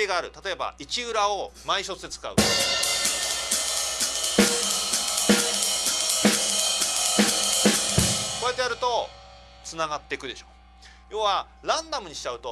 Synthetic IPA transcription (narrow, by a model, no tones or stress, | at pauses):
eɡaːɾɯ̟t̪at̪o̞e̞ba̰it͡ɕiɯ̟ɾaomaiɕo̞t͡sɨd̪et͡sɨ̥ka̰ɯ̟ | ko̞ɾjet̪ːejaɾɯ̟t̪o̞ | t͡sɨnaɡat̪ːe̞kɯ̟d̪e̞ɕoː | jo̞ːβa | ɾãnd̪amɯ̟ɲ̟iɕi̥t͡ɕaɯ̟t̪o̞